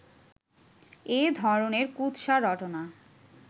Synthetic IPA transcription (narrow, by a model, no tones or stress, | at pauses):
ed̪ʱɔɾoneɾkut̪ʃaɾɔʈona